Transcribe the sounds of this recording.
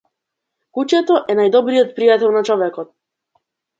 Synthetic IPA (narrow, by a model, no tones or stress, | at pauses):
kucɛt̪ɔʔɛnajd̪ɔbɾijɔt̪̚pɾijat̪ɛlˠnat͡ʃɔvɛkɔt̪̚